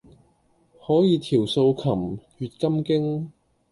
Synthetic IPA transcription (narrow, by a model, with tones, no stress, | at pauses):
hɔː˨˥jiː˨˧t̪ʰiː˨˩wso˧wkʰɐ˨˩mɥyː˨t̚kɐ˥mkɪ˥ŋ